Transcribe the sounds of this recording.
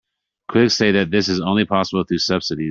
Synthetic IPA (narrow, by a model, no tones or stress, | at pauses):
kʰw̥ɪkseɪðɨt̪̚ðɪsɨzõʊ̃nlipʰɑsəbl̩ˠθɹʉsʌb̥sɨɾi